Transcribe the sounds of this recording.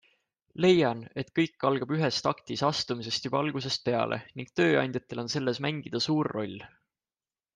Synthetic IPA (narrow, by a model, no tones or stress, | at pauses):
le̞jɑne̞t̪kɤ̞jkːɑlɡ̥ɑb̥yɦe̞st̪ɑkt̪isɑst̪umise̞st̪jub̥ɑɑlɡ̥use̞st̪̚pe̞ɑ̰lʔe̞̰niŋɡ̥̚t̪ø̞ːɑ̰nʲd̪jɑt̪ːˑe̞lo̞nse̞lːe̞smæŋɡ̥id̪̥ɑsuːrːo̞lʲː